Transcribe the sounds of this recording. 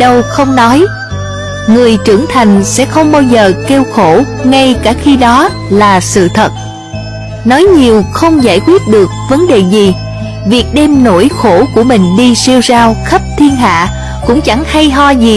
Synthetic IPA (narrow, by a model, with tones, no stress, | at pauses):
ɗə˧wxə˧wŋ͡mnɔ˨˦j | ŋɨ˨˩əjt͡ɕɨ˧˩əŋt̪ʰa˨˩jŋ̟sɛ̰˧˥xə˧wŋ͡mɓaː˧wzəː˨˩ke˧wxo˧˩ | ŋa˧jkaː˧˩xi˧ɗɔ˨˦ | laː˨˩sɨ̰˧˨t̪ʰə˨˩t̚ | nɔ˨˦jɲi˨˩əwxə˧wŋ͡mza̰ː˧˩jkwi˦˥ət̚ɗɨ˨˩ək̚və˨˦nɗe˨˩zi˨˩ | vi˨˩ək̚ɗɛ˧mno̰˧˥˩jxo˧˩ku˧˩əmï˨˩ŋ̟ɗi˧si˧wzaː˧wxə˦˥p̚t̪ʰi˧ənɦa̰ː˧˨ | kʊ̰˧˥ŋ͡mt͡ɕa˧˩ŋha˧jɦɔ˧zi˨˩